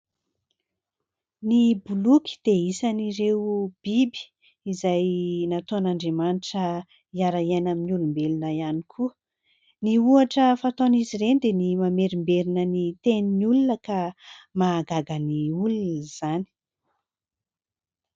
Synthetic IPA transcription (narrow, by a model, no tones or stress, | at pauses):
nibulukʲi̥d̪̥eisaniɾewb̥ibi̥ | izajnat̪oanaɳɖ͡ʐemaniʈ͡ʂə | iaɾaanaminiulumbelunəianikʰuə | niuaʈ͡ʂəfat̪oniziɾenid̪enimameɾimbeɾinənit̪eniniulunəkamaɡaɡəniulunəz̥ani̥